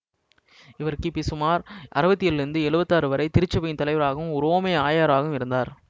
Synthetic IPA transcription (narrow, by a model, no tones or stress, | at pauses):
ɪʋɐɾkɯpisɯmaːɾʔɐ̰ɾɐʋɐt̪ːɪjɪlɪɾɯnd̪ɯɛɭɯbɐt̪ːaːɾɯʋɐɾɐɪt̪ɪɾɯt͡ʃːɐpɐjɪnt̪ɐlɐɪʋɐɾaːɣɯmʊɾoːmeaːjaːɾaːɣɯmɪɾɯnd̪aːɾ